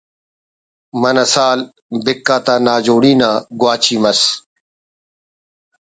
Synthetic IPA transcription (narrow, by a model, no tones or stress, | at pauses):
mɐnɐsaːl | bɪkːaːt̪aːnaːd͡ʑoːɽiːnaːɡwaːt͡ɕiːmɐs